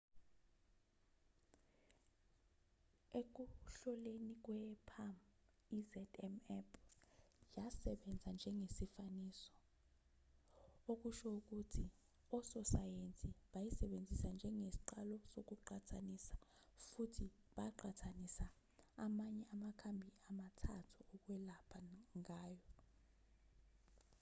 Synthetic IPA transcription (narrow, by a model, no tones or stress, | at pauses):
ek̬uɬɔlenik̬wɛpʰam | izɛtʰɛmɛpʰ | jasɛɓɛnd͡zʱand͡ʒʱɛŋesifaniːsɔ̥ | ok̬uʃɔuk̬utʰi | ɔsɔsajent͡sʼiɓajisɛɓend͡zʱisand͡ʒʱɛŋesi̥ǃalɔsok̬uǃatʰanisḁfutʰi | ɓaǃʰatʰanisaː | maɲɛʔamakʰambʱiamatʰatʰuɔk̬ʼwɛlapʰaŋaːjɔ